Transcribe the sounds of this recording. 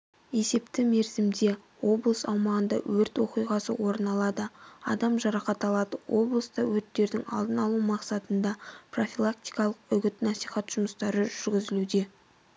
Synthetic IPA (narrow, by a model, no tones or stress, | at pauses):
e̞se̞pt̪ɪme̞ɾzɪmd̪e̞ | wo̞blˠəsɑwmɑʁənd̪ɑ̰wɵɾt̪wo̞qijʁɑsə̰wo̞ɾənɑlˠɑd̪əɑ̰d̪ɑmʒɑɾɑqɑt̪ɑlˠɑd̪əwʔo̞blˠəst̪ɑwɵɾt̪ːe̞ɾd̪ɪŋɑ̰lˠd̪ənɑlˠumɑqsɑt̪ənd̪ɑpro̞fʲilˠak̚t̪ijkɑlˠəqʏɡʲɪt̪nɑsijχɑt̪ʒ̥ʊməst̪ɑɾəʒʏɾɡʲɪzɪlud̪e̞